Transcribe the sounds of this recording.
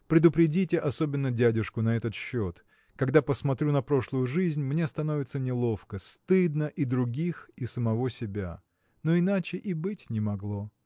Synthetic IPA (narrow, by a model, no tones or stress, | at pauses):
pɾʲɪd̪ʊpɾʲɪdʲitʲɪʔɐso̞bʲɪnːədʲædʲɪʂkʊnɐɛt̪ət̪ɕːot̪ | kɐɡd̪apəsmɐt̪ɾʲunɐpɾo̞ʂlˠʊjʊʐɨzʲnʲmnʲe̞st̪ɐno̞vʲɪt̪sənʲɪlˠo̞fkəst̪ɨd̪nəʔid̪ɾʊɡʲixisəmɐvo̞sʲɪbʲa̰ | no̞ɪnat͡ɕɪʔibɨtʲnʲɪmɐɡlˠo̞